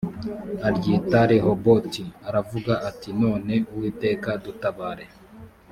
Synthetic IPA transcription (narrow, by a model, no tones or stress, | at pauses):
aɾɟitaɾeɦobo̞tiaɾavuɡaʔatino̞ːne̞uwiːte̞ːkadutaβaːɾe̞